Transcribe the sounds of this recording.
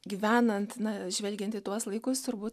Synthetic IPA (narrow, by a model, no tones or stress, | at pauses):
ɡʲiːʋʲæːnɐnt̪nɐʒʲʋʲɛlʲɡʲɛnt̪ɪt̪uɔslˠɐɪkʊst̪ʊɾbuːt̪